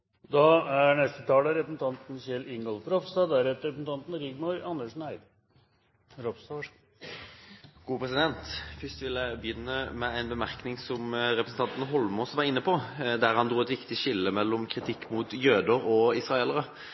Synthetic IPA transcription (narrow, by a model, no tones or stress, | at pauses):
d̪ɑæɾnɛst̪ət̪ʰɑːləɾɛpəsn̩t̪ʰɑnt̪n̩çɛlɪŋɡəlpɾɔfst̪ɑd̪æɾɛt̪əɾɛpəsn̩t̪ɑnt̪n̩ɾɪɡmɔɾɑnəʂnæɪd̪ | ɾɔpst̪ɑ | ɡ̥uːpʰɾɛsɪd̪ɛnt̪fʏst̪ʋɪlæɪbəjʏnːəmɛæɪnbəmæʁknɪŋsɔmɾɛpɾəsn̩ʰɑnt̪n̩ɦɔlmɔsʋɑʁɪnːəpʰɔd̪æʁhɑnd̪ʁuːɛt̪ʋɪkt̪ɪʃɪlːəmɛlːɔmkʰʁɪt̪ʰɪkːmuːt̪jøːd̪əʁɔɪsʁɑeːləʁə